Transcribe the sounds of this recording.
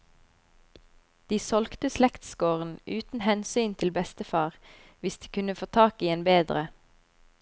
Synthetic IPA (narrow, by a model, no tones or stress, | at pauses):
d̪̥iːsɔlkt̪əslɛkt̪skoːʁn̩ʔʉːt̪n̩hɛnsyːnt̪ʰɪlbɛst̪əfɑːʁ | ʋɪsd̪̥iːkʰʉnəfoːt̪ʰɑːkiːeːnbeːd̪ʁə